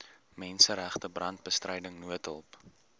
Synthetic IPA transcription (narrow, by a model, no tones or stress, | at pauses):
mɛnsəɾæχtəbrɐnt̚bəstrʔɛjdəŋnuətəlˠp